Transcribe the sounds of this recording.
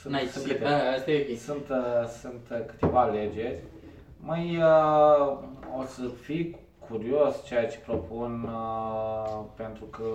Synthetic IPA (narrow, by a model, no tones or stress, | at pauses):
sɨ̃nt̪aisɨ̃nkɨt̪east̪aisunt̪sunt̪kɨ̥t̪e̞vale̞d͡ʒe̞ɾʲ | majə | o̞səfi | kʰuɾio̞st͡ʃejat͡ʃe̥pɾo̞pun | pe̞nt̪ɾukə